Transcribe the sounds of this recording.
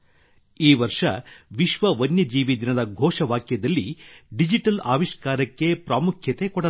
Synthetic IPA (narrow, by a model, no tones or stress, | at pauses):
iːʋɐɾʂɐ̰ʋiʃʋɐʋɐnjɐd͡ʒiːʋid̪inɐd̪ɐɡʱɔːʂɐʋaːkjɐd̪ɐlːiɖid͡ʒiʈɐlaːʋiʃkaːɾɐkːe̞pɾaːmukʰjɐt̪e̞kɔɽɐ